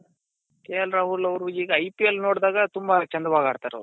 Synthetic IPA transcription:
keːɐlɾaːɦulɐʋɾuiːɡɐɐjpiɐlːino̞ːɽd̪aːɡɐt̪umbɐt͡ʃɐnd̪ɐʋaːɡaːɽt̪aːɾɐ̰ʋɾu

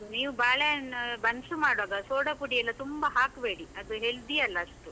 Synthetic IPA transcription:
niːʋubaːɭebɐnsumaːɽʋaːɡɐsoːɽɐpuɽijɐlːɐt̪umbɐɦaːkbe̞ːɽiɐd̪uɦeɭd̪iɐlːɐːʂʈu

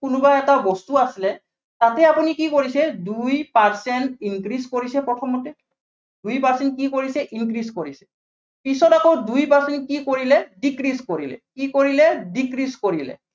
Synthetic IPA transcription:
kʊnʊbaɛtabɔstuasilɛ | tatɛapunikikoɹisɛdujpaɹsɛntinkɹiskoɹisɛpɹɔtʰɔmːɔtɛ | dujpaɹsɛnt̚kikoɹisɛʔinkɹiskoɹisɛ̥ | pisɔtakodujpaɹsɛntkikoɹilɛdikɹiskoɹilɛ̰kikoɹilɛdikɹiskoɹilɛ̰

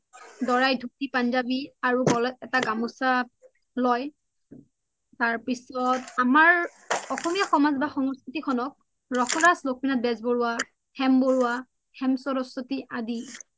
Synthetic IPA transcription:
dɔɹajdʱuk̚tipanzabiaɹuɡɔlɛtɛtaɡamusa | lɔj | taɹpisɔtamaɹ | ɔxɔmijaxɔmazbaxɔŋɔskɹitikʰɔnɔk̚ | ɹɔxʰɔdaslok̚minat̚bɛzboɹʊwa | hɛmboɹuwa | hɛmsɔɾɔsɔtiʔadi

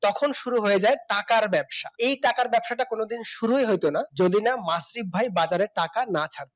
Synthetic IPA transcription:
t̪ɔkʰonʃuɾuɦojed͡ʑaeʈakaɾbɛbʃaejʈakaɾbɛbʃaʈakonod̪inʃuɾueɦojt̪onad͡ʑod̪inamasɾibʱajbad͡ʑaɾeɾʈakanat͡ɕʰaɽt̪e

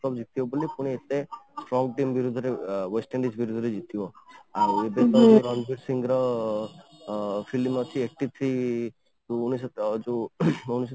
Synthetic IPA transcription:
ɔbd͡ʒit̪iɔbolipuɽ̃iet̪esʈɾɔŋɡʈimbiɾud̪ʱɔɾeʋesʈẽɳɖid͡ʒbiɾud̪ʱɔɾed͡ʒit̪ibɔaɾebet̪ɔɾɔnbiɾsiŋɡɾɔ | fʰilmɔt͡ʃʰiek̚ʈit̪ʰɾi | uunisd͡ʒuunis

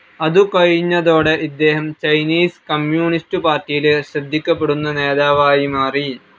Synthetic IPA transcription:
ɐðukɐɻiɲːɐðo̞ːɽe̞ʔid̪ːe̞ːɦɐmt͡ɕɐjniːskɐmjuːɳistɨpaːrtːijilɕrɐd̪ʱːikʲːɐpːe̞ɽunːɐne̞ːðaːʋaːjimaːri

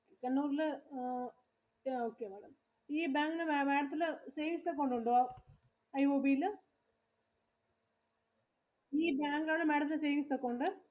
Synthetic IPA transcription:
okekɐnːuːɾilɨ | oːkːemɐɽɐm | iːbaːŋɡinɨmeʋeːɽɐt̪ːilɨseːjʋist̪ɐkːoɳɖuɳɖo | ɐjoːbilɨ | iːbaːŋɡaːɳɨmeɽɐnːɨseːʋist̪ɐkːoɳɖɨ

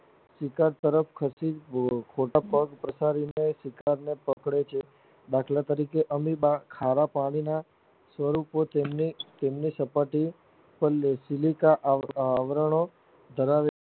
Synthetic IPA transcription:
sikaɾt̪əɾəpʰkʰəsid͡ʒ̪kʰoʈapəɡpɾəsaɾinesikaɾnepəkɽet͡ʃʰe | d̪akʰlat̪əɾikeʔəmibakʰaɾapaɽ̃ina | sʋəɾupot̪emnit̪emnisəpaʈi | pəlːesilikaʔːʋɾəɳ̃o | d̪ʱəɾaʋe

